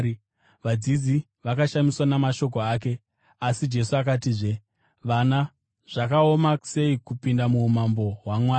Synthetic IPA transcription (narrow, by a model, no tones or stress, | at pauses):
ʋad͡zizi | ʋakaʃamiswanamaʃo̞k̬o̞aːk̬e̞ | asid͡ʒe̞suak̬atiːʐe | ʋana | ʐ̥akao̞mase̞ikupindamuːmambo̞ɦwamwaː